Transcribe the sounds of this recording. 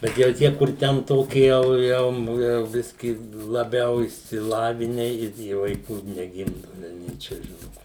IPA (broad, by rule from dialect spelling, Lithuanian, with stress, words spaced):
bʲɛt jɛʊ ˈtʲiɛ kʊr ˈtʲɛn ˈtoːkʲɪ ˈjɛʊ ˈjɛʊ jɛʊ ˈbʲɪsʲkʲiː lˠɐˈbʲɛʊ ɪʃʲsʲɪˈlˠɑːʋʲɪnʲɛ ɪr ˈjiɛ ʋɐɪˈkuː nʲɛˈɡʲɪmdʊ ʋʲɛlʲˈnʲɛɪ t͡ʃʲɛ ˈʒʲɪnʊ